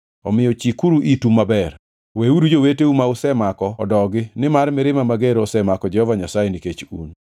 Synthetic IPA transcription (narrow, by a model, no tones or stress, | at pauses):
ɔmɪjɔt͡ʃikuɾuʔitumabɛr | weuɾud͡ʒoweteumaʊsɛmakɔɔdɔɡɪnɪmarmɪɾɪmamaɡeɾɔsɛmakɔd͡ʒɛhɔvaɲasajeniket͡ʃṵn